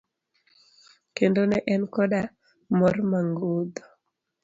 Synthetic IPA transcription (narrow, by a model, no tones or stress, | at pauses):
kendonɛʔɛnkɔɗa | mɔrmaŋɡod̪ɔ̥